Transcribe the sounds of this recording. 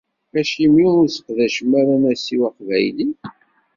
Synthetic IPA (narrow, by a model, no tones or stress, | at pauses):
æʃjimjuʊɾsə̥qðæʃmːæɾænæsiwæqvæ̰jli